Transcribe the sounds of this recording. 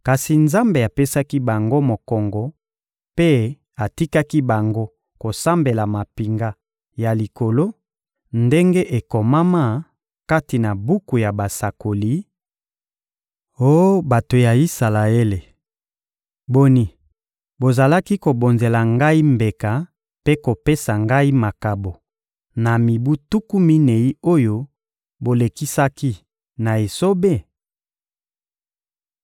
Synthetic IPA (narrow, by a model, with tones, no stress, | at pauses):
ka˨si˨nza˦mbe˨a˨pe˦sa˦ki˦ba˨ŋɡo˦mo˨kɔ˨ŋɡɔ˨ | pe˦ | a˨ti˦ka˦ki˦ba˨ŋɡo˦ | ko˨sa˦mbe˨la˨ma˨pi˨ŋɡa˦ | ja˨li˨ko˨lo˦ | nde˦ŋɡe˦ʔe˨ko˨ma˦ma˦˨ | ka˦ti˨na˨bu˦ku˨ja˨ba˨sa˨ko˨li˦ | o˦ba˨to˨ja˨i˦sa˨la˨e˦le˨ | bo˨ni˨ | bo˨za˨la˦ki˦ko˨bo˨nze˨la˨ŋɡa˦i˦mbe˨ka˨ | pe˦ko˨pe˦sa˨ŋɡa˦i˦ma˨ka˨bo˨ | na˨mi˨bu˦tu˦ku˦mi˦ne˨i˦o˦jo˦ | bo˨le˨ki˦sa˦ki˦ | na˨e˨so˦be˦˨